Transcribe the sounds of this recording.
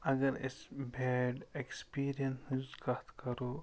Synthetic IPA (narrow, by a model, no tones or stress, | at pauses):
ɐɡəɾɪ̰sbʱɛːɖekspiːɾijənsnɪzkat̪kɐɾoː